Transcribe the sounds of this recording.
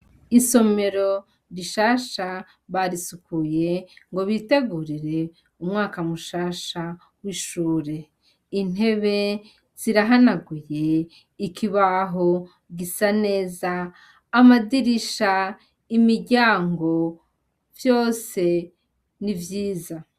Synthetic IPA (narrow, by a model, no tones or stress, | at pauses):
iso̞me̞ɾo̞ | ɾiʃaːʃa | βaɾisukuje̞ŋɡo̞βiteɡuɾiɾe̞ | umŋaːkamuʃaːʃa | wiʃuːɾe̞ | in̥ɦe̞βe̞ | z̥iɾaɦanaɡuje̞ | ikʰiβaɦo̞ | ɡisane̞ːzaː | madiɾiʃa | imiɾɟaːŋɡo̞ | vjo̞ːse̞ | nivjiːza